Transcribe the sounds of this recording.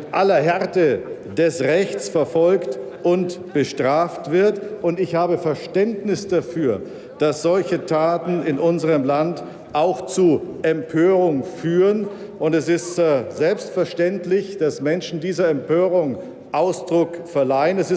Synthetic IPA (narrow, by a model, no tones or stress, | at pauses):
tʔalɐɦɛʁtə | d̥ɛsʁɛçt͡sfɛɐfɔlkt | ʔʊntb̥əʃtʁ̥aːftv̥ɪɐtʔʊntɪçhaːbəfɛɐʃtɛntnɪsd̥afyːɐ | d̥asz̥ɔlçətʰaːtn̩ɪnʔʊnzəʁəmlant | ʔaʊxt͡suʔɛmpʰøːʁʊŋfyːʁən | ʊntɛsɪstzɛlpstfɛɐʃtɛntlɪçd̥asmɛnʃn̩diːzɐɛmpʰøːʁ̞ʊŋ | ʔaʊsd̥ʁʊkfɛɐlaɪənɛsɪs